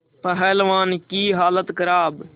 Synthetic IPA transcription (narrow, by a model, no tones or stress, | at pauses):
pəɦɛːlʋaːnkiːɦaːlət̪kəɾaːb